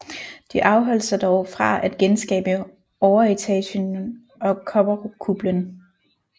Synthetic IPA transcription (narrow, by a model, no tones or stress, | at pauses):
d̥iʔɑ̈ʊɦɒ̽l̰sɑd̥ɒʊfʁɑ̈ʔæd̥̚ɡ̥ensɡ̥ɛ̰ːb̥ə | ɒʊɐet͡sʰɛ̰ɕən | ɒ̽kʰɒ̽b̥ɐʁokʰub̥lən